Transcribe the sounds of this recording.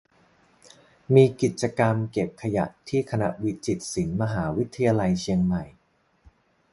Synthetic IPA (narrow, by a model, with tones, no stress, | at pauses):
miː˧ki˨˩t̪̚t͡ɕa˧ka˧mke˨˩p̚kʰa˧ja̰˨˩ʔt̪ʰiː˥˩kʰa˧na̰˧˦˥ʔwi˦˥t͡ɕi˨˩t̪̚si˩˦nma˧ɦaː˩˦wi˦˥t̪ʰːa˧jaː˧la˧jt͡ɕʰi˧əŋma˨˩j